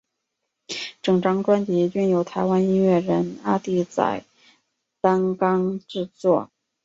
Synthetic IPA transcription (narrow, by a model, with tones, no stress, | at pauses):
ʈ͡ʂɤ˨˩ŋʈ͡ʂɑ˥ŋʈ͡ʂwa˥nt͡ɕɛ˧˥t͡ɕy˥˩njo˧˥ʊt̪ʰa˧˥ɪwa˥ni˥nɥɛ˥˩ɻə˧˥na˥t̪i˥˩t͡sa̰˨˩ɪ | t̪ɑ˥nkɑ˥ŋʈ͡ʂɻ̩˥˧t͡swɔ˥˩